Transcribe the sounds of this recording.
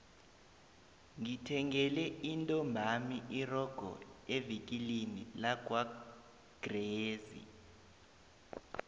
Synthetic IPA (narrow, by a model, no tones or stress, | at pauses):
ŋitʰɛŋɛlɛintʼɔmbʱamiʔirɔɡ̥ʱɔ̰evikʼilinilaɡ̥wa | ɡ̥reːzḭ